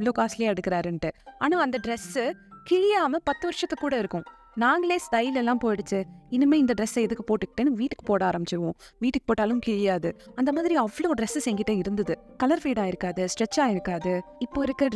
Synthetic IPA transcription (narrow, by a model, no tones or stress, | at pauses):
ɭoːkaːsɪljeːɛɽɯkːɪɾaːɾɛɳʈɯaːnaːɐnd̪ɐɖɾɛsɯkɪɻɪjaːmɐpɐt̪ːɯʋɐɾɪʂɐt̪ːɐkːuːɽɐɪɾɯkːʊ̃ | naːŋɡɐɭleːst̪ɐɪlɛlːãːpoːjɪɽɯt͡ʃːɯɪnːɯmeːɪnd̪ɐɖɾɛsɐɛðɯkːɯpoːʈːɯkːɪ̥ʈːeːnːɯʋiːʈːɯ̥kːɯ̥poːɽaːɾɐmbɪt͡ʃːɐʋõʋiːʈːɯkːɯ̥poːʈːaːlɯ̃mkɪɻɪjaːðɯɐnd̪ɐmaːðɪɾiɐʋːɐɭoːɖɾɛsɐsɛŋɡɪʈːɐɪɾɯnd̪ɐðɯkɐlɐɾfiːɽaːɪɾɯkːaːðɯsʈɾɛt͡ʃːaːɪɾɯkːaːðɯɪpːoːɪɾɯkːɪɾɐ